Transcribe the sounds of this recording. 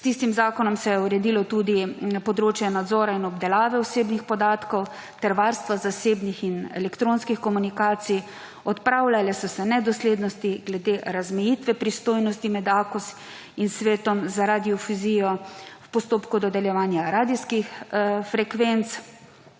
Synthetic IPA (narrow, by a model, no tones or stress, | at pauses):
st̪is̬t̪imzaːkɔnɔmsɛjɛuɾɛd̪ilɔt̪ud̪ipɔd̪ɾoːt͡ʃjɛnad̪zɔːɾainɔbd̪ɛlaːʋɛɔseːbnixpɔd̪aːt̪kɔw | t̪ɛɾʋaːɾst̪ʋazaseːbnixinɛ̰lɛkt̪ɾoːnskixkɔmunikaːt̪sij | ɔt̪pɾawlalɛsɔsɛnɛd̪ɔsleːd̪nɔst̪iɡlɛd̪eɾazmɛjit̪ʋɛpɾist̪oːjnɔst̪imɛd̪aːkus | insʋeːt̪ɔmzaɾad̪iɔfuzijɔwpɔst̪oːpkud̪ɔd̪ɛljɛʋaːnjaɾaːd̪iskixfɾɛkʋent̪s